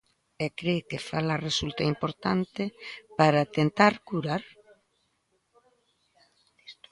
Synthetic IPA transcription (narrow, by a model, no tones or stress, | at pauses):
ɛkɾekefalaresult̪aimpoɾt̪ant̪epaɾat̪ent̪aɾkuɾaɾ | s